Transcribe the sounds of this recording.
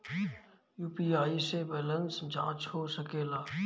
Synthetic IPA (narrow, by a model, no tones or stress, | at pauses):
juːpiaːisebɛːlə̃nsd͡ʒã̰ːt͡ʃɦosəkeːlaː